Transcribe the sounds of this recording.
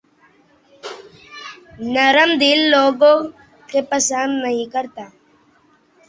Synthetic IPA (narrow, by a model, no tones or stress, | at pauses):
nəɾəmd̪ilːoːɡõ | kepəsand̪nəɦĩkəɾt̪aː